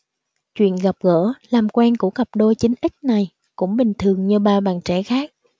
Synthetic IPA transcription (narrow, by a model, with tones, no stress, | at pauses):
t͡ɕwḭ˧˨ənɣa˨˩p̚ɣə̰ː˧˥laː˨˩mkwɛ˧nku˧˩əɣə˨˩p̚ɗo˧jt͡ɕï˨˦ŋ̟ʔi˦˥k̟̚na˨˩j | kʊ̰˧˥ŋ͡mɓï˨˩ŋ̟t̪ʰɨ˨˩əŋɲɨ˧ɓaː˧ɓa̰ː˧˨nt͡ɕɛ̰˧˩xaː˦˥k̚